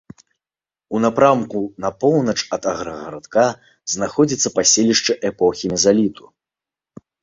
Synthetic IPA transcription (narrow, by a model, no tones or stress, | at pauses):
unapɾamkunɐpɔwnɐt͡ʂɐd̪ɐɣɾɐɣɐɾat̪ka | znaxɔd͡zʲit̪sːɐpasʲelʲiʂt͡ʂɨʔɛpɔxʲimʲɛzalʲit̪ʰu̥